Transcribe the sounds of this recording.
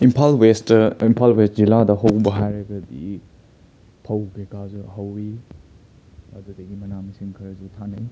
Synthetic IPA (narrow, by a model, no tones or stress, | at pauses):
impʰalwestimpʰalwest̚ziladɐɦɐwbɐɦajɾɐɡɐdḭ | pʰɐwbekazuɦɐwi | ɐdudɐɡimɐnamisiŋkʰɐɾɐzutʰanɐj